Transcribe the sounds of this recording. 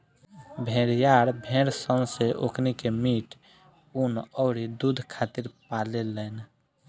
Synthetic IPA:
bʱẽɾjaɾbʱeɾsə̃seʔokʰnikemiʈ | unɔʊɾid̪ud̪ʱkʰat̪iɾpalelɛn

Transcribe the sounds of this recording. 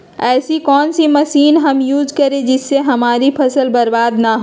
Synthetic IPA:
ɛːsikɔːnsiməsiːnɦəmjuːd͡ʒkəɾed͡ʒɪsːeɦɐmaːɾipʰɐsəlbəɾbaːd̪naɦo

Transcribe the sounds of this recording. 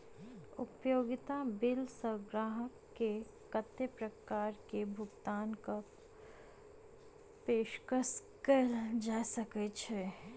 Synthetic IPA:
ʊpjoːɡɪt̪abɪlsəɡɾaːɦəkːe | kət̪ːepɾɐkaːɾkebʱʊɡt̪aːnka | peːʃkəskəld͡ʒaːsəket͡ʃʰe

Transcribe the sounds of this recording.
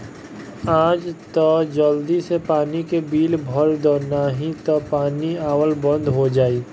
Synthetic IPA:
aːd͡ʒt̪ɔd͡ʒəld̪isepaːnikebiːlbʱɔɾd̪ɔnaɦit̪ɔpaːniaːwəlbə̃nd̪ʱɦod͡ʒaːiː

